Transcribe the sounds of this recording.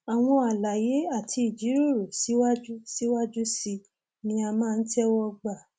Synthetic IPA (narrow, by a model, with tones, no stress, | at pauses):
a˨w̃ɔ̃˧a˨la˨je˨˦a˦˨tʰi˧i˨d͡ʒi˨˦ɾo˦˨ɾo˨si˨˦wa˦d͡ʒu˦si˦wa˦d͡ʒu˦si˧ | mĩ˧˦a˧mãː˦˧n̩˦tɛ˦wɔ˦ɡ͡ba˦˨